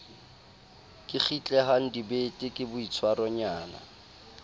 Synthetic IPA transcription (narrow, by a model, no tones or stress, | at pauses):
kʼɪχʰit͡ɬʼɛɦan̩dibetʼɪkʼɪbʊit͡sʰwarɔɲaːna̰